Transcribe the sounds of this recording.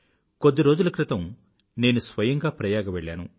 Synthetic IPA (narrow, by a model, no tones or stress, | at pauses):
kod̪ːiɾo̞ːd͡ʒulɐkɾɪt̪ɐm | ne̞ːnusʋɐjɐŋɡaːpɾɐjaːɡɐʋeɭːa̰ːnṵ